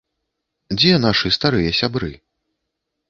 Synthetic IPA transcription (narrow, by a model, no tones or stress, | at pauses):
d͡zʲɛnaʂɨst̪aɾɨjɐsʲabɾɨ̰